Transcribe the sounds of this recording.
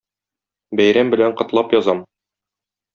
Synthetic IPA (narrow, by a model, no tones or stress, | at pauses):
bæjɾæmbɘ̆læɴqɤ̆t̪lˠɑpjɒzɑm